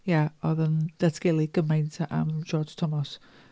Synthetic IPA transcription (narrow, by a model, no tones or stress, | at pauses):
jaɔðənd̥atʰɡ̥elˠiɡ̥əmajntʰaʔa̰md͡ʒɔd͡ʒtʰɔmɔs